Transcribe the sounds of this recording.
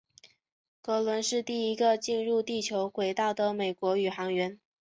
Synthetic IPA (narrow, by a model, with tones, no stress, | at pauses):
kɤ˧˥lwə˧˥nʂɻ̩˥˧t̪i˥˩i˧˥ɡə˧t͡ɕi˥˧nɻu˥˧t̪i˥˩t͡ɕʰjo˧˥ʊkwe˧˥ɪt̪a˥˩ʊd̪ə˩me˨˩ɪkwɔ˧˥y˨˩xɑ˧˥ŋɥɛ˧˥n